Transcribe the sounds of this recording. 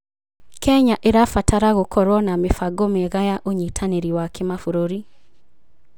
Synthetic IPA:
kʰɛɲaʔeɾafataɾaɣokʰɔɾwɔnamefaɡomeɣajaʔoɲitʰaneɾiwakʰemafoɾoɾi

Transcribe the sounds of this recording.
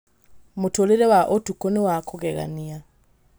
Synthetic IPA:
motoleɾɛwaʔotukoniwakʰoɡɛɣa̰nia

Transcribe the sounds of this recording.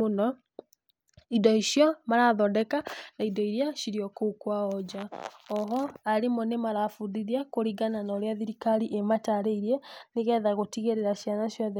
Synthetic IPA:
onɔ | idɔiʃjɔmaɾaðɔdɛkanaidɔiɾjaʃiɾiɔkokwaɔd͡ʒaɔɦɔaɾemɔnemaɾafuðiɾiakoɾiɡananɔɾeaðiɾikaɾiʔemataɾeiɾiɛneɣɛðaɣotiɣeɾeɾaʃjanaʃjɔðɛ

